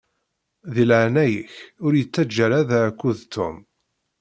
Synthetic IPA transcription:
ðilʕanæjə̰çʊɾjət͡sːæd͡ʒːæɾæðækʷːuðt̪ʊ̰m

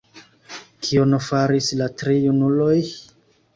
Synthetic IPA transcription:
kʰionofaɾislatɾijunulo̞j

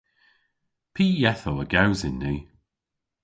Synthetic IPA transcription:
pʰiːjɛθowəɡawzɪnːiː

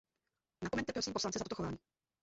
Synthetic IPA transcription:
nakomɛnt̪ːɛpɾosiːmposlant͡sɛzat̪ot̪xo̞vaːɲiː

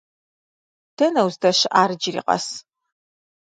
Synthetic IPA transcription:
d̥ɐnɐwzdɐɕɪʔaːrɨd͡ʒɪrḭːqɐ̰s

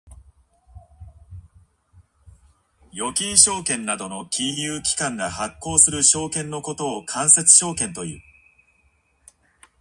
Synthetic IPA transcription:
jo̞kʲĩɰ̃ɕo̞ːkẽ̞nːad̪o̞no̞kʲʰijɯ̟ːkʲi̥kãŋɡahakːo̞ːsɨɾɯ̟ɕo̞ːkẽ̞nːo̞ko̞t̪o̞ːkʰãɰ̃se̞t͡sɨ̥ɕo̞ːkẽ̞nt̪o̞jɯ̟̰ː

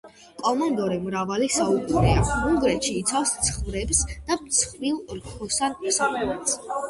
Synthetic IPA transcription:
kʼɔmɔnd̪ɔɾɛmɾavalisaukʼuɾɛauŋɡɾɛt̪ʃiːt̪sʰafst̪sʰχvɾɛbsd̪̥apt̪sʰχvilˠlkʰɔsanɔsakʼɛlɛt̪s

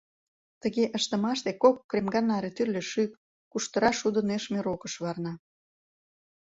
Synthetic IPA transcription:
t̪əɣeʔəʃt̪ə̆mɑʃt̪ekokːremɡɑnɑɾet̪yrlʲĕʃyp̚ | kuʃt̪əɾɑʃud̪əneʃmeɾokəʃβɑrnɑ

